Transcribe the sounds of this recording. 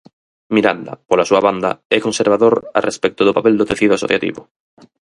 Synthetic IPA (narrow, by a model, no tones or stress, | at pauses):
miɾand̪ɐ̰polasuaβand̪a̰ɛkonseɾβ̞aðoɾa̰respɛk̚t̪oðopapɛld̪ot̪eθiðʊaso̰θjat̪ḭβʊ